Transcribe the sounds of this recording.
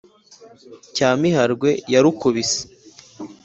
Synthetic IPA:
caːmiɦaɾɡwe̞jaɾukuβise̥

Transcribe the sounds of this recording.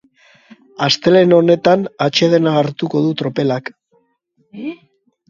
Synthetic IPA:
ast̪e̞le̞no̞ne̞t̪anat͡ʃe̞ð̞e̞naːɾt̪uko̞ðut̪ɾo̞pe̞lak

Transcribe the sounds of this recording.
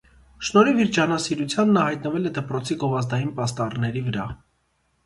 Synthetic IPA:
ʃnɔɾiviɾd͡ʒɑnɑsiɾut͡sʰjɑnːɑhɑjt̪nəvɛlɛd̪əpɾɔt͡sʰiɡɔvɑzd̪ɑjinpɑst̪ɑrnɛɾivəɾɑ

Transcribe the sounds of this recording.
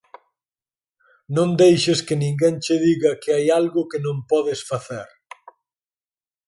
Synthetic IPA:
nõnd̪ejʃeskɪnĩŋɡeŋt͡ʃɪðiɣɐkɪajalɣʊkɪnõmpɔðɪsfaθḛɾ

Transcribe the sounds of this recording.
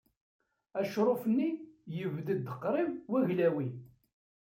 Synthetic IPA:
æʃɾˤofənːijəvðəd̪əqːɾˤɪmwæʝlæwi

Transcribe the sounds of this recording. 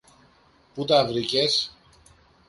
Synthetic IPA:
put̪ɐvɾices

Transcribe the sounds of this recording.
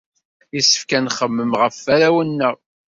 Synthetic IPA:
jisə̥fkænχəmːəmʁəfːæɾæwənːəʁ

